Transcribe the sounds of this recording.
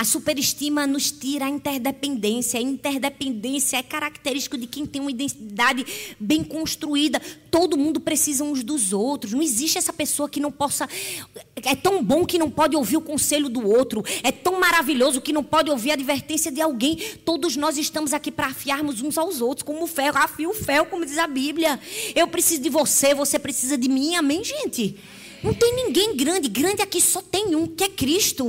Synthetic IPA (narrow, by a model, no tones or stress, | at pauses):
ɐsupeɾiʃt̪ĩmɐnʊst̪iɾɐːĩnt̪ɛɾd̪epẽnd̪ẽsjɐːĩt̪ɛɾd̪epẽnd̪ẽsjɐɛkaɾakt̪eɾiʃt̪i̥kʊd̪ɪkẽj̃t̪ẽj̃ũmɐid̪ẽt̪id̪ad̪ɪbẽj̃kõʃt̪ɾuid̪ɐt̪od̪ʊmũnd̪ʊpɾesizɐũzd̪ʊzowt̪ɾʊs̬nɐ̃w̃ieziʃt̪ɪɛsɐpesoɐkɪnɐ̃w̃pɔsɐ | ɛt̪ɐ̃w̃bõkɪnɐ̃w̃pɔd̪ɪowviɾʊkõseʎʊd̪ʊowt̪ɾʊɛt̪ɐ̃w̃maɾaviʎozʊkɪnɐ̃w̃pɔd̪ɪowviɾad̪iveɾt̪ẽsjɐd̪ɪawɡẽj̃t̪od̪ʊznɔzɪʃt̪ɐ̃mʊzakipɾɐafiaɾmʊzũzawzowt̪ɾʊ̥skõmʊʊfɛafiʊfɛwkõmʊd̪izabibljɐewpɾesizʊd̪ɪvosevosepɾesizɐd̪ɪmĩamẽj̃ʒẽt̪ɪ | nɐ̃w̃t̪ẽj̃nĩɡẽj̃ɡɾɐ̃nd̪ɪɡɾɐ̃d̪ɪakisɔt̪ẽj̃ũkɪɛkɾiʃt̪ʊ